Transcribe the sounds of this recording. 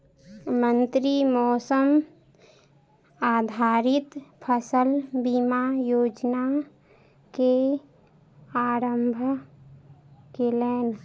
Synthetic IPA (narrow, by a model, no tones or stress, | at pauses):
mənt̪ɾimɔːsəm | aːd̪ʱaːɾɪt̪pʰəsəlbimajoːd͡ʒna | ke | aːɾəmbʱ | kelen